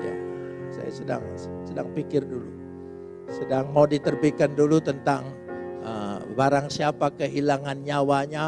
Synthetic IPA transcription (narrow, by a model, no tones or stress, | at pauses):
ja̰sa̰ja̰səda̰ŋsədaŋpikɪrdulu | sədaŋmawdit̪ərbikandulut̪ənt̪aŋ | əbaɾaŋsiapakəɦilaŋanɲawaɲa